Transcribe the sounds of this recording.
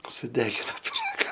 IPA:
sʊˈdʲæːɡʲɪnoː pʲɪˈrɑːɡɐ

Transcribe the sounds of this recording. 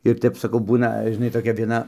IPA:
ɪr ˈtʲɛp sɐˈkɐʊ ˈbuːnɐ ʒʲɪˈnɐɪ toːˈkʲɛ ʋʲiɛˈnɐ

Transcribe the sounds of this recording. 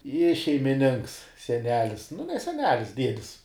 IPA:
ɪ ʃʲɛɪmʲɪˈnʲɪŋks sʲɛˈnʲæːlʲɪs nʊ nʲɛ sʲɛˈnʲæːlʲɪs ˈdʲiɛdʲɪs

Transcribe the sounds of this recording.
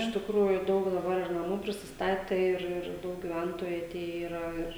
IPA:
ɪʃ tʲɪkˈruːjʊ ˈdɐʊk dɐˈbɐr nɐˈmuː pʲrʲɪsʲɪsˈtɑːtʲɛ ˈɪr ˈɪr ˈdɐʊk ɡʲɪˈʋʲɛntoːjʊ ɐˈtʲeːjɛ iːˈrɐ ˈɪr

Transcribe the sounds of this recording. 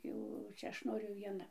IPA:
ˈjɛʊ ˈt͡ʃʲɛ ˈɐʃ ˈnoːrʲʊ ʋʲiɛˈnɐ

